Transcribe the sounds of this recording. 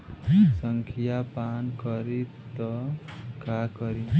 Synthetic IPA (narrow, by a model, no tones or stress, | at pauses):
sʌŋkʰijapankʌɾi | t̪ʌkakʌɾi